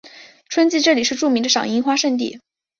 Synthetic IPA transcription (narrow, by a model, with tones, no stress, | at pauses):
ʈ͡ʂʰwə˥nt͡ɕi˥˧ʈ͡ʂɤ˥˩li˨˩ʂɻ̩˥˧ʈ͡ʂu˥˩mi˧˥ŋd̪ə˧ʂɑ̰˨˩ŋi˥ŋxwa˥ʂə˥˧nt̪̬ḭ˥˩